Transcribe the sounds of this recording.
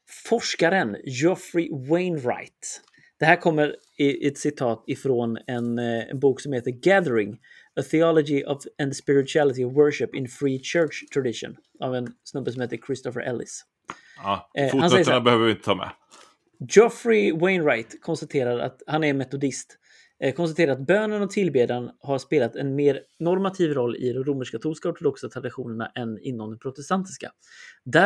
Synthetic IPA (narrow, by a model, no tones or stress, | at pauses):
fɔʂkaɾənjɔfɾɪwɛɪnɾa̰ɪt̪ | d̪̥ɛɦæːɾkʰɔmːəɾ | ɪʔɛt̪sɪt̪ʰɑːt̪ɪfɾonɛnɛ̰nbuːksɔmheːt̪əɾɡæðəɾɪŋ | əθɪɑlɔɡɪʔɑvɛnspɪɾɪt̪ʉælɪt̪ɪɔvwœɹʂɪpɪ̰nfɾiːt͡ʃʰɜːʈʂt̪ʰɾad̪ɪʂʊ̰n | avɛnsnɵbːəsɔmheːt̪əɾkʰɾɪst̪ɔfəɾʔɛ̰lɪ̰s | fhansɛjənabɛhøːvəvɪnt̪ət̪ʰɑːmɛ̰ | d͡ʒɔfɾɪwɛɪnɾajt̪kʰɔnst̪at̪ʰeːɾaɾa̰t̪hanɛɾnmɛt̪ʊd̪ɪst̪ | kʰɔnst̪at̪ʰeːɾaɾat̪̚bøːnənɔt̪ʰɪlbeːd̪anhaɾʂpeːlat̪ɛnmeːɾnɔɾmat̪ʰiːvɾɔlːɪ̰d̪ɔmɾuməʂkat̪ʰuskaɔʈʊd̪ɔksat̪ʰɾad̪ɪɧuːnəɳa̰ʔɛnɪ̰nːɔmd̪ɛmpʰɾʊt̪ɛst̪ant̪ɪska̰ | d̪æ